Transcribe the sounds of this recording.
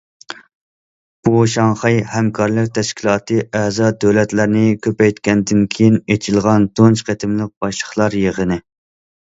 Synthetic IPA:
b̥uʃɑŋχɑjhɛmkʰɑɾlˠɨk̚ʲt̪ʰɛʃkʲʰilˠɑːt̪ʰɨʔɛzɑd̪øwlɛt̪læɾnɪkʲʰøpɛjt̪kʲɛnd̪ɪnkʲʰejinet͡ʃʰilˠʁɑnt̪ʰont͡ʃqʰet̪ʰɪmlɨk̚b̥ɑʃlə̥χlˠɑɾjəʁənɪ

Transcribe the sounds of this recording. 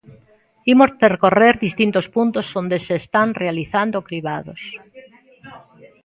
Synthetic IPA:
imospeɾkoreɾðist̪int̪ospunt̪ozond̪eseːst̪anrealiθand̪okɾiβaðos

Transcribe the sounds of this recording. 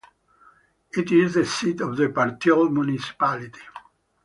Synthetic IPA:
it̪izðəsit̪ɔvðəpaɾt̪ɔlmjunisi̥palit̪i̥

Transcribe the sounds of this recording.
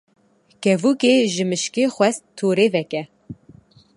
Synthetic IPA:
kɛvuːkeːʒɨmɨʃkeːxwɛst̪ʰːuːɾeːvɛkɛ

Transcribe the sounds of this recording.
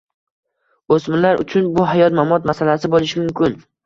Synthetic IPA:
osmɪlaɾʔʊ̰t͡ʃʰʊnbʊɦajɒt̪mamɒt̪masalasɪbolɪʃɪmʊmkʰʲʊn

